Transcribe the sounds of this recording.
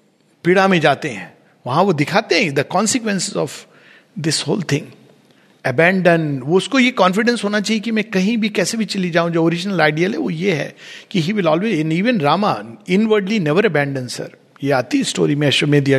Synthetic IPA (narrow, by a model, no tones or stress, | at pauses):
piɽamẽd͡ʒaːt̪eɦɛ̃ː | ʋɐɦãʋod̪ɪkʰaːt̪eɦɛ̃d̪əkɔ̃ːnsɪkʋɛ̃nsɪzɔʋ | d̪ɪsho̰ːlt̪ʰɪ̃ŋ | ɐbæ̃ːɳɖə̃nʋoʊskojekɔ̃ːnfɪɖə̃nsɦoːnat͡ʃaːɦiekimɛ̃kɐɦĩbʱikɛːsebʱit͡ʃɐlid͡ʒaːũd͡ʒoːoːɾɪd͡ʒnəlaːɪɖiəlɦɛʋojeɦɛ̰kiɦiːʋɪlɔːlʋeːɪniːʋə̃nɾaːma̰ɪ̃nʋəɾɖlinɛʋəɾɐbæ̃ːɳɖə̃nsɐ̰ɾ | jeaːt̪isʈo̰ːɾimẽʃomẽd̪ia